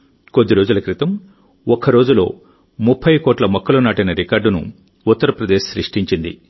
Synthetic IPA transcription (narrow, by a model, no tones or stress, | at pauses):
ko̞d̪ːiɾo̞ːd͡ʒulɐkɾit̪ɐm | ɔkɐɾo̞ːd͡ʒulo̞̰ː | mupʰːɐjkoːʈlɐmɔkʰːɐlɐnaːʈɐjnɐɾikaːɾɖunṵ | ut̪ːɐɾɐpɾɐd̪eːʃsɾḭʂʈiɲt͡ʃind̪ḭ